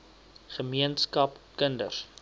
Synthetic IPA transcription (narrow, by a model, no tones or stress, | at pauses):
χəmiənskɐpkəndə̰r